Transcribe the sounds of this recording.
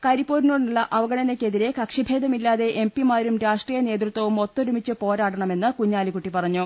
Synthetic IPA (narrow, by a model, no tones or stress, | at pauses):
kɐɾipːoːɾinoːɽuɭːɐʔɐʋɐɡɐɳɐnekʲːe̞ðiɾe̞kɐkʂibʱe̞ːd̪ɐmilːaːðe̞ʔempimaːɾumɾaːʂʈriːjɐne̞ːt̪̬rɨt̪wɐʋumo̞t̪ːoɾumit͡ɕːɨpo̞ːɾaːʈɐɳɐme̞nːɨkuɲːaːlikːuʈːipɐrɐɲːu